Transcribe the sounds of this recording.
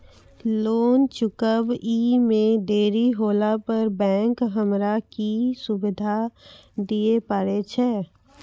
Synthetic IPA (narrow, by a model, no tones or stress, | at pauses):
loːnt͡ʃʊkəbiːmẽd̪eːɾiɦoːlapəɾbɛ̃ːŋkɦəmɾakisʊbɪd̪ʱad̪iepəɾet͡ʃʰeː